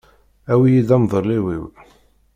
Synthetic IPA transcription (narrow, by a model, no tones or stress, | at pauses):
æwijid̪æmðˤəɾliwḭw